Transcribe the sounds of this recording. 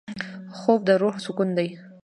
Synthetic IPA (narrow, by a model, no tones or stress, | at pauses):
xob̚d̪əɾohsʊkund̪aj